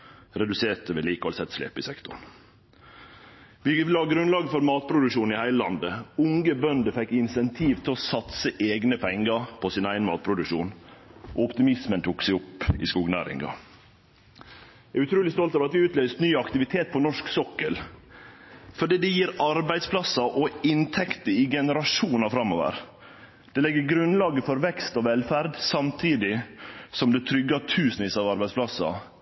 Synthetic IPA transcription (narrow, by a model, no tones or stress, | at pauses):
ɾɛd̪ʉseːt̪əʋɛliːkɑ̰lsɛt̪ːslḛːpɪsɛkt̪ʊ̰ɳ | ʋɪʋɪlhɑɡɾʉnlɑːɡəfɔɾmɑːt̪̚pʰɾʊd̪ʉkʃuːnɪhæɪləlɑ̰nd̪əʊŋɡəbœnd̪əfɛkːɪnsɛnt̪ʰiːʋt̪ʰɪlɔsɑt̪səʔeːɡnəpʰɛŋːəɾpʰɔsɪnæɪənmɑ̰ːt̪pʰɾʊd̪ʉʃuːnʔo̰ːɔpt̪ɪmɪsmənt̪ʰuːksɛɪɔpːɪ̰skuːɡnæ̰ːɾɪ̰ŋɑ̰ | ææɾʉt̪ʰɾuːlɪst̪ɔlt̪ɑːʋɾɑt̪ʋɪʉːt̪ʰlœʏst̪nyːɑkt̪ɪʋɪt̪ʰeːt̪̚pʰɔnɔʂksɔkːəl | fɔɖiːd̪ɛjiːɾɑɾbæɪd̪spʰlɑsɑʔɔɪnt̪ʰɛkt̪əɪɡɛnəɾɑʂuːnɑfɾɑmːo̰ːʋə̰ɾ | d̪̥ɛlɛɡːəɾɡɾʉnlɑːɡəfɔɾʋɛkst̪ɔʋɛlfæɾd̪sɑmt̪ʰiːd̪ɪsɔmd̪ɛt̪ʰɾʏɡːɑt̪ʰʉːsənɪsɑʋɑɾbæɪsplɑsɑ̰